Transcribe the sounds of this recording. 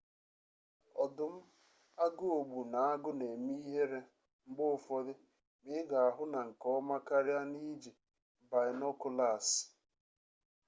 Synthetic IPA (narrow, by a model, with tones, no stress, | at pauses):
ɔ˨dʊ˨m̩˦ | a˦ɡʊ˦o˨ɡ͡bu˨na˨a˦ɡʊ˦ne˨mi˦i˦ɦe˦ɾe˦ | ŋ͡m̩˦ɡ͡bʊ˦ʊ˦˨fɔ˦dɪ˦ | mɪ˦ɡa˨a˨ɦʊ˦na˨ŋ̩˨kɔ˦ma˦ka˦ɾja˦ni˦d͡ʒi˨ | ba˨ɪ˨nɔ˦kʊ˦la˨s